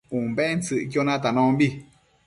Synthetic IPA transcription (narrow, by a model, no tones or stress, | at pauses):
ũmbent͡sɨʔk̬jonãt̪anõmbi